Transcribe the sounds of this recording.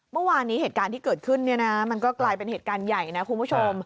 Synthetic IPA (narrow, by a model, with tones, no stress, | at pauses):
mɯ˥˩waː˧nːiː˦˥ɦeː˨˩t̪̚kaː˧nt̪ʰiː˥˩kɤː˨˩t̪̚kʰɯ˥˩nːi˥˩ɐna˦˥ma˧nkɔː˥˩klaː˧jpe˧nheː˨˩t̪̚kaː˧nja˨˩jna˦˥kʰu˧npʰu˥˩t͡ɕʰo˧m